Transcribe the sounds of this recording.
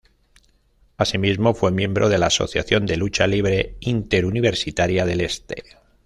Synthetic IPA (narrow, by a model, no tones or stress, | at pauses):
asimizmo̞fwe̞mjẽ̞mbɾʔo̞ð̞e̞laːso̞̰θja̰θjo̞nd̪e̞lut͡ʃaliβ̞ɾe̞int̪e̞ɾuniβ̞e̞ɾsit̪aɾjaðe̞le̞st̪e̞̰